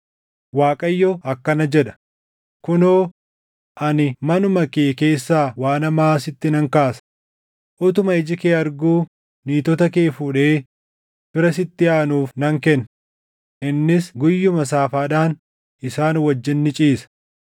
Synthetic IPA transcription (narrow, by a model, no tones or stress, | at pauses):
waːkʼɐjːɔʔɐkːɐnɐd͡ʒɛᶑɐ̥ | kʊnoː | ʔɐnɪmɐnʊmɐkeːke̞ːsːaːwaːnɐmaːsɪt̪ːɪnɐŋkaːsɐ̥ | ʔʊt̪ʊmɐɪd͡ʒɪkeːɐɾɡuː | niːt̪ɔt̪ɐkeːfuːᶑe̞ː | fɪɾɐsɪt̪ːɪaːnuːfnɐŋkɛnː | ʔɪnːɪsɡʊjːʊmɐs̬aːfaːᶑaːn | ʔɪsaːnwɐd͡ʒːɪnːɪt͡ʃʼiːsɐ̥